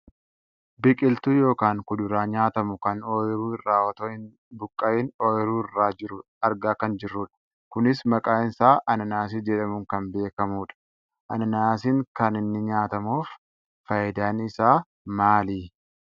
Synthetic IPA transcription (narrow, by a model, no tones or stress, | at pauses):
bɪkʼɪlt̪uːjo̞ːkaːŋkʊd̪ʊɾaːɲaːt̪ɐmʊkɐnoːjɪɾuːɪrːaːɔt̪oɪn | bʊkʼːɐʔɪnoːɪɾuːɪrːaːd͡ʒɪɾʊ | ɐɾɡaːkɐnd͡ʒɪrːʊᶑɐ̥ | kʊnɪsmɐkʼaːɪnsaːʔɐnɐnaːs̬ɪd͡ʒɛᶑɐmʊŋkɐnbe̞ːkɐmuːᶑɐ̥ | ʔɐ̰nɐnaːsɪŋkɐnɪnːɪɲaːt̪ɐmuːf | fɐjɪd̪aːnɪsaː | maːliː